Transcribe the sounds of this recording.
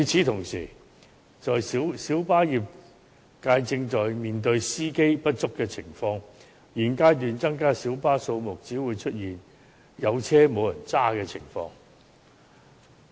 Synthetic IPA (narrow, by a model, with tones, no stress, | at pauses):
jiː˨˧t͡sʰiː˨˥t̪ʰʊ˨˩ŋsiː˨˩ | t͡ʃɔː˨jssiː˨˥wpaː˥jiː˨p̚ | kaː˧jt͡sɪ˧ŋt͡ʃɔː˨jmiː˨nt̪ɵ˧ɥsiː˥ke˥jpɐ˥t̚t͡sʊ˥kːɛː˧t͡sʰɪ˨˩ŋfɔː˧ŋ | jiː˨˩nkaː˥jt̪̬yː˨nt͡sɐ˥ŋkaː˥siː˨˥wpaː˥so˧wmʊ˨k̚t͡siː˨˥wuː˨˧jt͡ʃʰɵ˥t̚jiː˨˩n | jɐ˨˧wt͡sʰɛː˥mo˨˧wjɐ˨˩nt͡saː˥kɛː˧t͡sʰɪ˨˩ŋfɔ̰ː˧ŋ